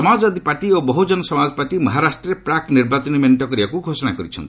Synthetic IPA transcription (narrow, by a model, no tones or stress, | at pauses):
ɔmad͡ʒɔbad̪ʱipaʈiobɔɦud͡ʒɔnɔsɔmad͡ʒɔpaʈimɔɦaɾasʈɾeɾepɾakniɾbat͡ʃɔnimeɳʈɔkɔɾibakuɡʱosɔñakɔɾit͡ʃʰɔnt̪i